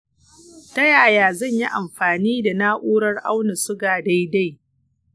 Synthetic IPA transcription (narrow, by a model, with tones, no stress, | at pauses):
tɐ˦jaː˨jaː˨zɐ˦˨ɲji˦ʔa˨mɸaː˨niː˦da˨naː˦ʔʷuː˦ɽɐ˦rʔa˦wna˨sʊ˦ɡaː˨da˦jda˦˨j